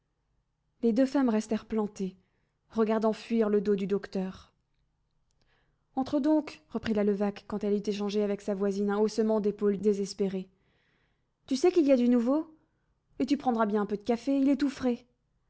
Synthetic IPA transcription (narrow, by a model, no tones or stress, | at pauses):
led̪øfamʁɛst̪ɛʁplɑ̃t̪e | ʁəɡaʁd̪ɑ̃fɥiʁləd̪od̪yd̪ɔkt̪œːʁ | ɑ̃t̪χəd̪ɔ̃kʁəpχilaləvakːɑ̃t̪ɛlyt̪eʃ̬ɑ̃ʒeavɛksavwazinɛ̃osəmɑ̃d̪epold̪ezɛspeʁe | t̪ysɛkiliad̪ynuvo | et̪ypχɑ̃d̪ʁabjɛ̃ɛ̃pød̪əkafeilɛt̪ufχɛ